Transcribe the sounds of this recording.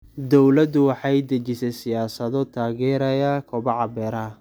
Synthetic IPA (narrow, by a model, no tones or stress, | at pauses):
d̪ɔwlɐd̪ʊwɑħɑjd̪ɐt͡ʃɪsɛsɪjaːsɐðɔt̪ʰaːɣɛːɾɐjaːkʰɔbɐʕɑbɛːɾɐ